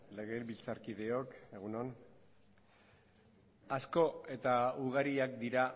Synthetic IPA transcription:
le̞ɣelβilt͡saɾkið̞e̞o̞ke̞ɣ̞unon | asko̞e̞t̪auɣaɾiakd̪iɾa

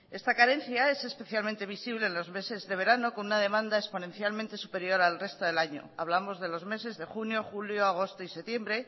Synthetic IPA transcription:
e̞st̪akaɾẽ̞n̟θjae̞se̞spe̞θjalment̪e̞β̞isiβle̞ːnlo̞zme̞se̞zðe̞β̞e̞ɾano̞ko̞nunaðe̞mãnd̪aespo̞nẽ̞nθjalmẽnt̪e̞supe̞ɾjo̞ɾalre̞st̪oðe̞laɲo̞̰aβ̞lamo̞zðe̞lo̞zme̞se̞zðexunjo̞xuljo̞aɣ̞ost̪oise̞t̪je̞mbɾe̞

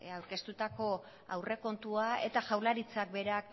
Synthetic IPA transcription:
awɾke̞st̪ut̪ako̞ | a̰wre̞ko̞nt̪uae̞̰t̪aʝawlaɾit͡sak̚be̞ɾak

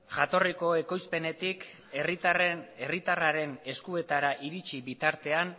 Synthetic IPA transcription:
ʝat̪o̞riko̞e̞ko̞jspe̞ne̞t̪ik | erit̪re̞rit̪araɾe̞ne̞skue̞t̪aɾaʔiɾit͡ʃiβit̪aɾt̪e̞an

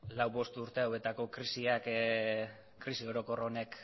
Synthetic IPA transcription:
lawβo̞st̪uɾt̪e̞awe̞t̪ako̞kɾisiak | kɾisio̞ɾo̞ko̞ro̞ne̞k

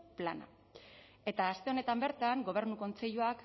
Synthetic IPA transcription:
plana̰ | e̞t̪aːst̪e̞o̞ne̞t̪ambe̞ɾt̪aŋɡo̞β̞e̞ɾnuko̞nt͡se̞ʎuak

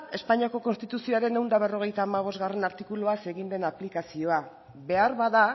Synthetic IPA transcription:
e̞spaɲiako̞ko̞nst̪it̪usio̞aɾe̞ne̞wnd̪aβe̞ro̞ɣ̞e̞jt̪aːmaβ̞o̞zɣare̞naɾt̪ikuluase̞ɣind̪e̞naplikasio̞a | βe̞aɾβaða

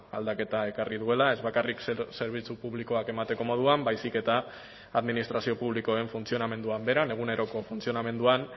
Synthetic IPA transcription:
a̰ld̪ake̞t̪ae̞kariðue̞lae̞zβakariksse̞ɾβ̞it͡supuβliko̞ake̞mat̪e̞ko̞mo̞ð̞uambajsike̞t̪a | aðminist̪ɾasio̞puβ̞liko̞e̞ɱfunt͡sio̞name̞nd̪uambe̞ɾane̞ɣ̞une̞ɾo̞ko̞funt͡sio̞name̞nd̪uan

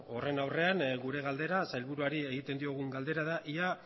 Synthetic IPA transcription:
o̞re̞nawre̞anɡuɾe̞ɣald̪e̞ɾasajlβuɾuaɾie̞ɣ̞it̪e̞nd̪io̞ɣ̞uŋɡald̪e̞ɾað̞aʔia

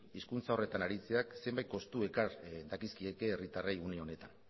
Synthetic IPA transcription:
iskunt͡sao̞re̞t̪anaɾit͡seakse̞mbajt̪̚ko̞st̪ue̞kaɾd̪akiskie̞keːrit̪arajuneo̞ne̞t̪an

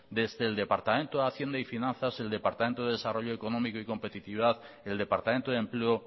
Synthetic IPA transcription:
d̪e̞zðeːld̪e̞paɾt̪amẽnt̪oðaθje̞nd̪aifinãnθase̞ld̪epaɾt̪amẽnt̪oðeðesaro̞ʎoekonomikoiko̞mpet̪it̪iβiðaθ | eld̪e̞paɾt̪amẽnt̪oðe̞mpleo

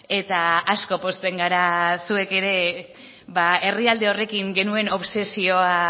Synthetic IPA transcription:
e̞t̪aasko̞po̞st̪e̞ŋɡaɾasue̞ke̞ɾe̞ | βae̞riald̪e̞o̞re̞kiŋɡe̞nue̞no̞βse̞sio̞a

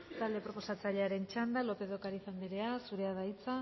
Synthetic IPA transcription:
t̪ald̪epɾo̞po̞sat͡saʎeaɾe̞nt͡ʃand̪alo̞pe̞ðo̞kaɾiθambeɾe̞asuɾe̞aðait͡sa

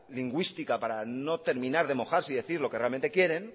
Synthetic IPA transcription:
liŋɡwist̪ikapaɾano̞t̪e̞ɾmĩnaɾðe̞mo̞xaɾsiðe̞θiɾlo̞kerealme̞nt̪e̞kje̞ɾe̞n

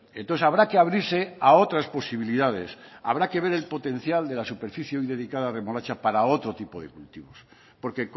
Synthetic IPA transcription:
ent̪onθesaβɾakeaβɾiɾse̞ao̞t̪ɾaspo̞siβiliðað̞e̞sa̰βɾake̞β̞e̞ɾe̞lpo̞t̪ẽ̞n̟θjald̪e̞lasupe̞ɾfiθjeojðe̞ðikaðare̞mo̞lat͡ʃapaɾao̞t̪ɾo̞t̪ipo̞ðe̞̰kult̪iβo̞s | po̞ɾke̞k

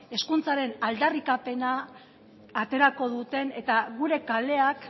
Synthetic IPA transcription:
e̞skunt͡saɾe̞nald̪arikape̞naː | t̪e̞ɾako̞ð̞ut̪e̞ne̞t̪aɣuɾe̞kale̞ak

